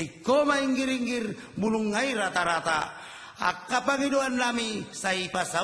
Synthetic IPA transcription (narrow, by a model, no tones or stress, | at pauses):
ikːomaiŋɡiɾiŋɡir | bunuŋːaiɾat̪aɾat̪a | a̰kːapaɡidoanːamisaipasa